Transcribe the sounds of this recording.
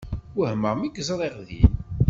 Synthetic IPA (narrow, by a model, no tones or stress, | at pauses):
ʊhməʁmiɡzɾˤeʁðḭn